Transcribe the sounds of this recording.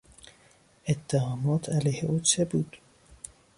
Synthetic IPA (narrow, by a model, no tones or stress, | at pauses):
ʔet̪ʰːæhɒːmɒːt̪ʰælæjheʔuːt͡ʃʰebuːd̪̥